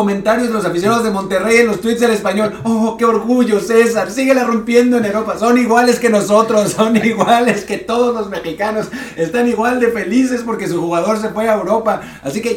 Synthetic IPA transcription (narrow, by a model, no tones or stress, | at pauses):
omẽ̞nt̪aɾjozðelosafis̬jonaðo̞zðemo̞nt̪e̞reje̞nlo̞st̪wit̪sðele̞spaɲo̞loke̞o̞ɾɣuʝo̞se̞saɾsiɣe̞larumpje̞nd̪o̞e̞newɾo̞paso̞niɣwale̞ske̞no̞so̞t̪ɾo̞sːo̞niɣwale̞ske̞t̪o̞ðo̞zlo̞zme̞xikano̞se̞st̪aniɣwald̪e̞fe̞lis̬e̞spo̞ɾke̞s̬uxuɣaðo̞ɾs̬e̞fweaewɾo̞paː | sike̞